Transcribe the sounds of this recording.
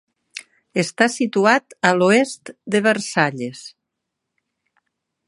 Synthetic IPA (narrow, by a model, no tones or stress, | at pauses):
est̪asit̪uat̪əloest̪d̪əβəɾsaʎes